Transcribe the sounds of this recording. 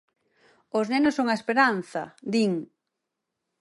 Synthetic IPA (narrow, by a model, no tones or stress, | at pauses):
oznenosːoŋaespeɾanθɐ̰d̪iŋ